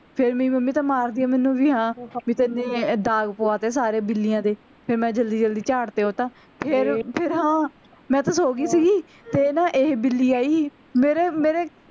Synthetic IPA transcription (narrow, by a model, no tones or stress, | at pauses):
pʰɪɾmiːməmːiːt̪aːmaːɾd̪iːaːmɛːnũːʋiːɦãːmĩːt̪ɪɪnːẽːd̪aːɡpoːaːt̪eːs̬aːɾeːbɪlːijãːd̪eː | pʰɪɾmɛ̃ːd͡ʒəld̪iːd͡ʒəld̪iːt͡ʃaːɽt̪eːɦoːt̪ãː | pʰɪɾpʰɪɾɦãː | mɛ̃ːt̪aːsoːɡiːsiːɡiː | t̪eːnaːʔeːbɪlːiːaːiː | meːɾeːmeːɾeː